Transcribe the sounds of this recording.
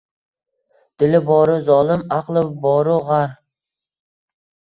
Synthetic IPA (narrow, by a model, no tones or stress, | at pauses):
d̪̥ɪlɪbɒːɾʊzɒːlˠɪmaqlˠɪbɒɾʊʁaɾ